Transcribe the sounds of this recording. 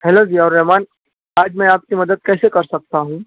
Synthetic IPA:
ɦɛːlod͡ʒiːɔːɾːɛmaːn | aːd͡ʒmɛ̃aːp̚kimɐd̪əd̪̚kɛːsekɐɾsɐk̚t̪aɦũː

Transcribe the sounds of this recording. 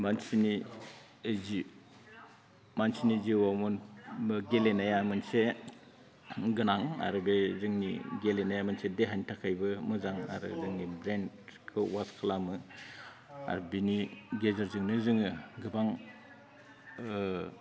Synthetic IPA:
mansini | ezi | mansiniziwamɔnbɯɡelenajamɯnse | ɡɯnaŋa̰ɾɯbezɯŋnḭɡelenajamɯnsedeɦantʰakʰajbɯmɯzaŋa̰ɾɯ̰zɯŋnibɾenkʰɯwaskʰalamɯ | a̰ɾbiniɡezaɾzɯŋnɯzɯŋɯɡɯbaŋ

